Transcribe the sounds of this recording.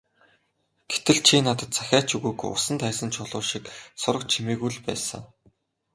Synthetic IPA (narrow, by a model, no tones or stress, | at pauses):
ɡ̥et̪ɘ̆ɮt͡ɕʰiːnat̪ə̆t̪̚t͡sʰḁxʲaːt͡ɕʰuɣujkʊ̰sə̆nt̪ʰæːsə̆nt͡ɕʰʊɮʊːʃiksʊɾə̆kt͡ɕʰimeːɣujɮpæ̰ːsə̰̆ŋ